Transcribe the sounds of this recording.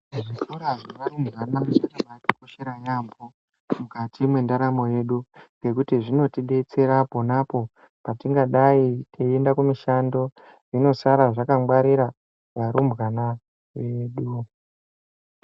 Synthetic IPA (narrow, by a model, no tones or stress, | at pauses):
ʐikuɾaʐiʋaɾumbɣanamusanamatikoʃeɾajambo | mukatimwe̞ndaɾamo̞je̞ɗuŋɡe̞kutiʐino̞tiɗe̞t͡se̞ɾaponapo̞ | patiŋɡaɗaitʰeendakumiʃando̞ | ino̞saɾaʐakamɡwaɾiɾa | jaɾumbɣana | jeɗu